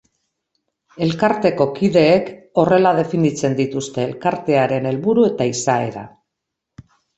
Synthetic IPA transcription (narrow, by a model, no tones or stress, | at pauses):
e̞lkaɾt̪e̞ko̞kiðe̞ːko̞re̞lað̞e̞finit͡se̞nd̪it̪ust̪e̞ːlkaɾt̪e̞aɾe̞ne̞lβuɾue̞t̪aisae̞̰ɾa̰